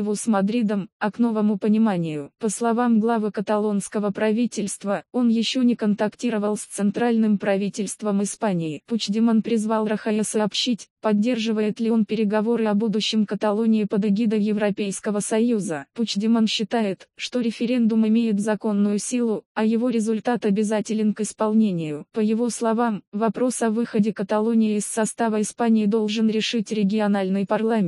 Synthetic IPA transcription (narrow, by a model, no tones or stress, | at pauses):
jɪvosmɐd̪ɾʲid̪əmɐkno̞vəmʊpənʲɪmanʲɪjʊpəslˠɐvamɡlˠavɨkət̪ɐlˠo̞nskəvəpɾɐvʲitʲɪlʲst̪vəo̞njɪɕːo̞nʲɪkənt̪ɐktʲiɾəvəlˠsʲt̪sɨnt̪ɾalʲnɨmpɾɐvʲitʲɪlʲst̪vəmɨspanʲɪɪput͡ɕdʲɪmənpɾʲɪzvalˠɾəxɐjəsəːpɕitʲpɐdʲːe̞rʐɨvəjɪt̪lʲɪonpʲɪɾʲɪɡɐvo̞ɾɨɐbud̪ʊɕːɪmkət̪ɐlˠo̞nʲɪɪpəd̪ɪɡʲid̪əjɪvɾɐpʲejskəvəsɐjuzəput͡ɕdʲɪmənɕːɪt̪ajɪt̪ʂt̪o̞ɾʲɪfʲɪɾʲe̞nd̪ʊmɪmʲejɪt̪zɐko̞nːʊjʊsʲilˠʊɐjɪvo̞ɾʲɪzʊlʲt̪at̪ɐbʲɪzatʲɪlʲɪnkɪspɐlˠnʲenʲɪjʊpəjɪvo̞slˠɐvamvɐpɾo̞sɐvɨxədʲɪkət̪ɐlˠo̞nʲɪjɪɪsːɐst̪avəɪspanʲɪɪd̪o̞lˠʐɨnɾʲɪʂɨtʲɾʲɪɡʲɪɐnalʲnɨjpɐrlˠamʲɪ